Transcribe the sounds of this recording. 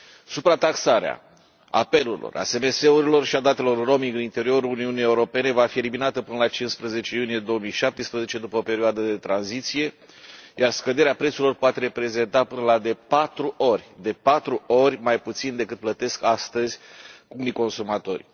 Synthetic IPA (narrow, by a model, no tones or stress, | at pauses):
supɾat̪aksaɾea̰ | a̰pe̞luɾilʔo̰rʔa̰se̞me̞se̞uɾilo̞rʃiad̪at̪e̞lo̞rːo̞miŋɡɨnint̪e̞ɾio̞ɾuuniunijeuɾo̞pe̞ne̞vafieliminat̪əpɨnəlat͡ʃinspɾəze̞t͡ʃe̞junije̞d̪o̞omijʃap̚t̪espɾəze̞t͡ʃed̪upəope̞ɾioad̪əd̪e̞t̪ɾanzit̪sije̞ | jarskəd̪e̞ɾeapɾet̪suɾilo̞rpoat̪e̞ɾe̞pɾe̞ze̞nt̪apɨnəlad̪e̞pat̪ɾuʔo̞rʲd̪e̞pat̪ɾuo̞ɾʲmajput̪sind̪e̞kɨt̪̚plət̪e̞skast̪əzʲkuniko̞nsumat̪o̞rʲ